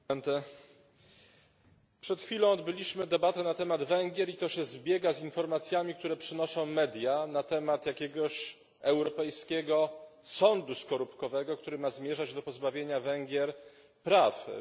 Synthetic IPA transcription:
nt̪ɛ | pʂɛt̪xfʲilɔ̃w̃ɔd̪bɘlʲiɕmɘd̪ɛbat̪ɛnat̪ɛmad̪vɛŋɡʲjɛɾit̪ɔɕɛzbʲjɛɡazinfɔɾmat̪sʲjamʲik̚t̪uɾɛpʂɘnɔʂɔ̃w̃mɛd̪ʲjanat̪ɛmat̪jakʲɛɡɔɕ | ɛwɾɔpɛjskʲɛɡɔsɔnd̪uskɔɾupkɔvɛɡɔkt̪uɾɘmazmʲjɛʐad͡ʑd̪ɔpɔzbavʲjeɲavɛŋɡʲjɛɾ | pɾaf

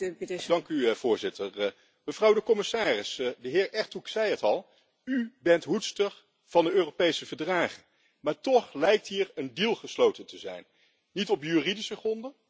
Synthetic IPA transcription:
dɑŋkyv̥ʊːɹzɪtəɹ | məvrɑwdəkɔmɪsaːrɪsdəɦɪːɹʔɛɹtuksɛjətɑlˠ | ybɛntɦutstəɹ | v̥ɑndəøːropejsəvəɹdraːχən | maːɹtɔχlɛjk̚tɦiːɹəndilˠχəslowtəntəzɛ̰jn | nitɔpjyridisəχrɔndə

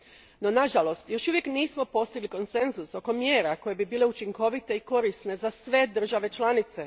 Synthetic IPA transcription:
no̞naʒalo̞st̪jo̞ʃuʋje̞kniːsmo̞po̞st̪iɡliko̞nse̞nzuso̞ko̞mjeːɾako̞je̞bibiːle̞ut͡ʃiŋko̞ʋit̪e̞iko̞ɾisne̞zasʋe̞d̪r̩ʒaʋe̞t͡ʃlanit̪se̞

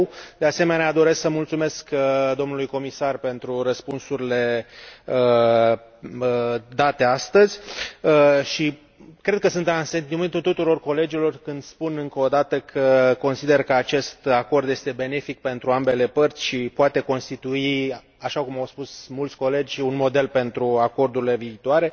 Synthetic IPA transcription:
d̪e̞ase̞me̞nead̪o̞ɾe̞sksəmult̪sume̞skd̪o̞mnulujko̞misarpe̞nt̪ɾuɾəspunsuɾile̞ | ə | əd̪at̪e̞ast̪əzʲəʃi | kɾe̞d̪̚kəsɨnt̪eanse̞nt̪iment̪ult̪ut̪uɾo̞rko̞le̞d͡ʒilo̞rkɨnd̪spunɨŋkəod̪at̪əkʰəko̞nsid̪e̞rkəat͡ʃe̞st̪ako̞rd̪je̞st̪e̞be̞ne̞fik̚pe̞nt̪ɾuambe̞le̞pərt̪sʲʃipoat̪e̞ko̞nst̪it̪ui | aʃakumawspusmult̪sʲko̞le̞d͡ʒʲunmo̞d̪e̞lpe̞nt̪ɾuako̞rd̪uɾile̞viːt̪oaɾe̞

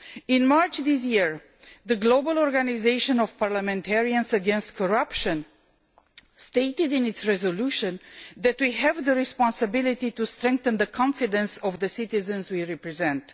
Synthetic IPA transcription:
ɪ̃nmaɹt͡ʃðis̬jiɹ | ðəɡlobəlˠɔɹɡanizeɪʃə̃nɔv̥paɹləmɛ̃ntʰɛɹiə̃nzəɡɛ̃nst̚kʰɔɹʌpʃə̃n | steɪtɪdɪ̃ntsɹɛzoluʃə̃nðɛtwiɦɛvðəɹispɑ̃nsɨbɪlit̪itustɹɛ̃ŋk̚θə̃nðəkʰɑ̃ɱfidə̃nsɔvðəsɪt̪izə̃nzwiɹɛpɹɛzɛ̃nt

